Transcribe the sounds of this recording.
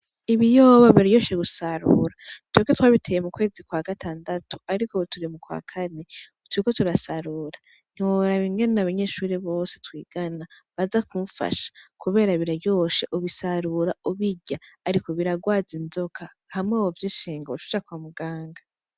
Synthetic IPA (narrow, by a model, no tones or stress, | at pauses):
iβijoːβaβiɾajo̞ːʃeɡusaɾṵɾatweɡetwaːβitʰe̞ːjemukwe̞ːzikwaːɡatʰaːndatu̥aɾiko̞tuɾimukwa̰ːkʰane̞ | twiko̞tuɾasaɾuɾa | n̥iwoɾaβiŋɡenenaβaɲe̞ːʃuːɾiβo̞ːse̞twiːɡ̥ana | βazakuɱfa̰ʃḁkuβe̞ːɾaβiɾajo̞ːʃeʔuβisaɾuɾauβiɟaːɾiko̞βiɾaɡwaːzinzo̞kʰa | hamŋeβovjiːʃiːŋɡaotu̥t͡ʃakwaːmuɡaːŋɡa